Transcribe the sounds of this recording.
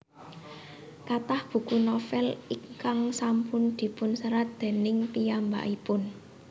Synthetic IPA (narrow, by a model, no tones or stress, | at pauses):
kat̪ahb̥ṳkunɔfɛlikaŋsampʊnd̪̥i̤pʊnsəɾat̪̚d̪̥e̤nɪŋpijamba̰ʔipʊn